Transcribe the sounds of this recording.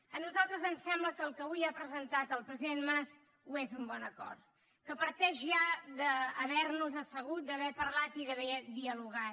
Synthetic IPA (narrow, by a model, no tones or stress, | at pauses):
ənuzalˠt̪ɾəzənsɛmbləkəːlˠkəβujapɾəzənt̪at̪əlˠpɾəziðenmas | uezumbɔnəkɔ̰rt̪ | kəpəɾt̪ɛʒʒaðəːβɛɾnuzəsəɣut̪̚d̪əβɛpərlat̪iðəβɛd̪iəluɣa